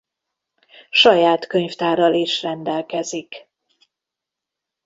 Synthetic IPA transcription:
ʃɒjaːt̪kø̞ɲft̪aːɾɒleːʃrɛnd̪ɛlkɛzik

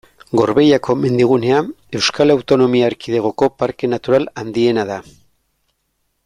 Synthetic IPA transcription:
ɡo̞ɾβe̞jako̞me̞nd̪iɣ̞une̞a | e̞wskalawt̪o̞no̞miaːɾkið̞eɣ̞o̞ko̞paɾke̞nat̪uɾaland̪ie̞naða

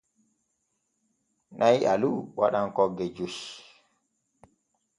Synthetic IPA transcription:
nʔajʔa̰luwaɗankɔɡːɛd͡ʒuʃ

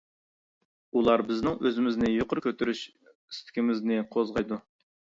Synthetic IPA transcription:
ulˠɑɾbɪznɪŋøzɪmɪznɪjoqʰʊɾkʲʰøt̪ʰyɾyʃ | i̥st̪ʰɪ̥kʲɪmɪznɪqʰozʁɑjd̪u

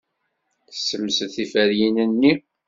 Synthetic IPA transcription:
θə̥sːəmːsəθifæɾjinənːi

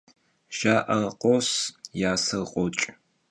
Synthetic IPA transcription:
ʒ̥aːʔɐqʷʼɔsjaːsɐlqʷʼɔt͡ʃʼ

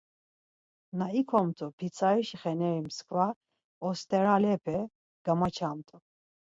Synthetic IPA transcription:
naikʰɔmt̪ʼupʰit͡sʰaɾiʃiχɛnɛɾimskʰva | ɔst̪ʼɛɾalɛpʰɛ | ɡ̥amat͡ʃʰamt̪ʼu

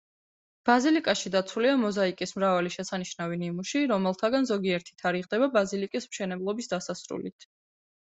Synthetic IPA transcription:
b̥azilikʼaʃid̪at̪sʰuliamɔzaikʼismɾavaliʃɛsaniʃnavinimuʃiɾɔmɛlˠt̪ʰaɡanzɔɡiɛɾt̪ʰi̥t̪ʰaɾiʁd̪ɛbabazilikʼismʃɛnɛblˠɔbisd̪asasɾṵlḭt̪ʰ

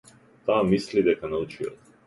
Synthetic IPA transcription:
t̪aːmislid̪ɛkanaut͡ʃiɔ̰t̪

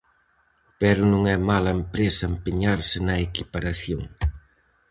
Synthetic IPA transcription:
pɛɾʊnõŋɛmalɐempɾesɐempeɲaɾsɪnɐekipaɾaθjoŋ

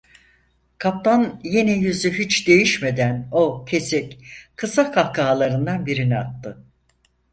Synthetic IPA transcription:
kʰap̚t̪ʰanjenijyzyɦit͡ʃd̪e̞jiʃme̞d̪æno̞cʰesɛcʲkʰɯsakʰakʰaːlˠaɾɯnd̪anbiɾiniat̪ːɯ

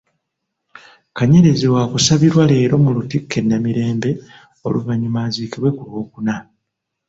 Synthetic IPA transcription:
kaɲe̞ɾezewaːkusaβiɾwale̞ːɾo̞mulutikʰːe̞nːamiɾe̞ːmbe̞ | o̞̰luvaɲumaːziːkiβwe̞kulwo̞ːkuna

